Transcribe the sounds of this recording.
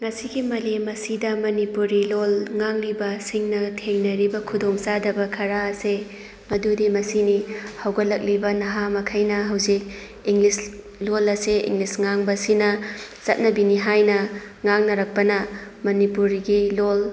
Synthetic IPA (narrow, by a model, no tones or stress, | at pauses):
ŋɐsiɡimɐlemɐsidɐmɐnipuɾilolŋaŋlibɐsiŋnɐtʰeŋnɐɾibɐkʰudoŋsadɐbɐkʰɐɾaɐse | mɐdudimɐsinihɐwɡɐlɐk̚libɐnɐɦamɐkʰɐjnɐɦɐwzik̚ | iŋlis | lolɐseḭŋlisŋaŋbɐsinɐsɐt̚nɐbiniɦajnɐ | ŋaŋnɐɾɐk̚pɐnɐmɐnipuɾiɡilol